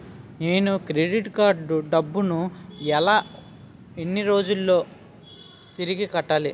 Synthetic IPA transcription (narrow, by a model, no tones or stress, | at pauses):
neːnukɾeɖiʈkaːɾɖuɖɐbːunuɛlaː | enːiɾo̞ːd͡ʒulːo̞ː | t̪iɾiɡikɐʈːaːli